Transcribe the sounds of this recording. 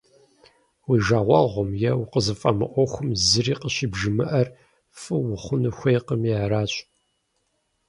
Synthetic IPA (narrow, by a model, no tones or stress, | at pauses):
wiːʒaːʁʷɑʁʷɔmjɛwʊqəzɨfʼɐmɨ̰ʔʷɔxʷʊmzɨɾiːqəɕiːbʒɨmɨʔɐr | fʼɨwʊχʷʊnɨxʷejqəmiaɾaːɕʷʼ